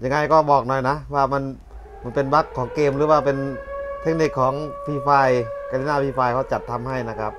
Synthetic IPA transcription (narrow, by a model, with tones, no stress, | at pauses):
ja˧ŋa˧jkɔː˥˩bɔː˨˩k̚nɔ˨˩jna˦˥waː˧˩ma˧˥˨n | ma˧˩npe˧nba˦˥kʰːɔː˩˦ŋkeː˧mɾɯː˩˦waː˧˩pe˧nt̪ʰe˦˥k̚ni˧˩kʰːɔː˩˦ŋpʰiː˧˩faː˧˩jka˧li˧naː˧˨˩pʰiː˧˩faː˧jkʰɔː˧˩t͡ɕa˨˩t̪ʰːa˧mha˥˩jna˦˧˥kʰa˦˥p̚